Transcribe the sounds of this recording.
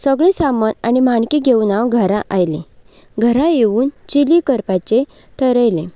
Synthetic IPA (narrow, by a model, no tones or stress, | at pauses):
səɡɭẽsamənañimaɳkiɡʱeunaʋɡʱəɾãʔajlẽ | ɡʱəɾãjeuːnt͡ɕilikəɾpat͡ɕe | ʈʰəɾəjlẽ